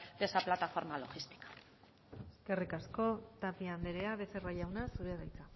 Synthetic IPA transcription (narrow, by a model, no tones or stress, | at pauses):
d̪esaplat̪afo̞ɾmalo̞ɣist̪i̥kḁ | eske̞rikasko̞t̪apiand̪eɾe̞aβe̞se̞raʝawnasuɾeðajt͡sa